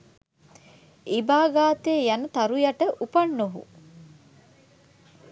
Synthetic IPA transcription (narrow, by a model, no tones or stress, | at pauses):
ibaːɡaːt̪eːjanət̪aɾujaʈəʔupɐnːoɦṵ